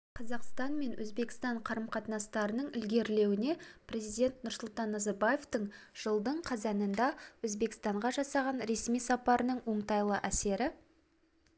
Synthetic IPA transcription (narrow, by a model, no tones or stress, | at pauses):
qʰɑzɑqst̪ɑnme̞nwʔɵ̰zbe̞kɪ̥st̪ɑɴqʰɑɾəmqʰɑt̪nɑst̪ɑɾənəɴɪlɡʲe̞ɾle̞wɪne̞prʲe̞zijd̪ʲe̞nt̪nʊɾsʊlˠt̪ɑnːɑzɑɾbaje̞ft̪əɴ | ʒ̥əlˠd̪əɴqʰɑzɑnənd̪ɑwɵzbe̞kɪ̥st̪ɑɴʁɑʒɑsɑʁɑnɾe̞smijsɑpɑɾənəɴwoɴt̪ɑjlˠəʔæse̞ɾɪ